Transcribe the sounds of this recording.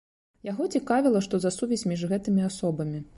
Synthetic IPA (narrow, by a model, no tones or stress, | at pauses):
jaɣɔt͡sʲikavʲilˠɐʂt̪ɔzasuvʲɛsʲmʲiʐɣɛt̪ɨmʲiasɔbɐmʲi